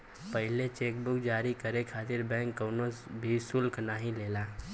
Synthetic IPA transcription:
pəɦɪlet͡ʃeːkbʊkd͡ʒaːɾikəɾekʰaːt̪ɪɾbɛ̃ːŋkːəːnobʱisʊlknaɦĩleːlaː

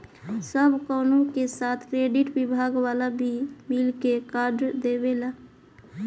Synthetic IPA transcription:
səbkəːnũkesaːt̪ʰkɾeɖiʈbibʱaɡwalabʱimilkekaɾɖd̪ebela

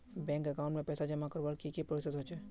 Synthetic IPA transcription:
bɛ̃ːŋkɐkaːʊɳʈmẽpɛːsad͡ʒəmakəɾʋalkikipɾɪsət̪ɦoːt͡ʃeː

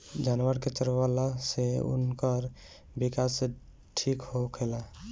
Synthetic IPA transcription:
d͡ʒanʋəɾket͡ʃəɾalaseṵnkəɾ | bikas | ʈʰikɦokʰela

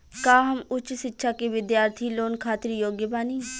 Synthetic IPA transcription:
kaːɦɐmʊt͡ʃsɪtːʃʰakiʋɪd̪jaːɾt̪ʰiloːnkʰaːt̪ɪɾijoːɡjəbaːniː

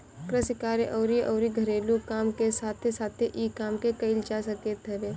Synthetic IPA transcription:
kɾəsɪkaːɾeʔɔːɾiʔɔːɾiɡʱɐɾeːlukaːmkesaːt̪ʰesaːt̪ʰeʔiːkaːmkekɐɪlt͡ʃasə̃keːt̪ɦɛbeː

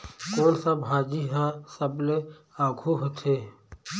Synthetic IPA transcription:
koːnsɐbɦaːd͡ʒiɦãsəble | aːɡʱuɦot̪ʰeː

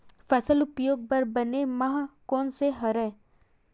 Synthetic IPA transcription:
fəsəlʊpjoːɡ̚pɐɾbɐnemaɦkɔːnseɦɐɾɛː

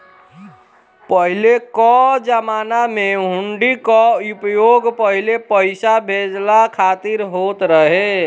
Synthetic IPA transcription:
pəɦilekɔd͡ʒəmanameɦuɳɖikɔupəjoɡpəɦilepəɪsabʱed͡ʒlakʰat̪iɾɦot̪ɾəɦe

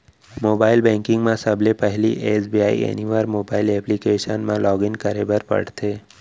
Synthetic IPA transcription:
moːbaːɪlbɛ̃ːŋkɪ̃ŋɡmẽsɐblepɛɦliʔeːsbiaːḭḛniʋəɾmoːbaːɪlɛːplikeːʃənmẽlɔːɡɪnkəɾebəɾpɐ̰ɽ̤t̪ʰeː

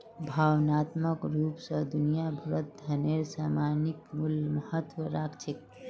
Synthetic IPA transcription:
bʱawnat̪məkɾuːpsəd̪unijabʱuɾət̪̚d̪ʱəneɾsamanikmulməhət̪wəɾakt͡ʃʰik̪̚

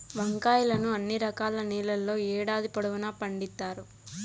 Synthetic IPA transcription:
ʋɐŋkaːjɐlɐnuɐnːiɾɐkaːlɐniːlɐlːo̞ːɛːɽaːd̪ipɐɽuʋunaːpɐɳɖit̪ːaːɾu

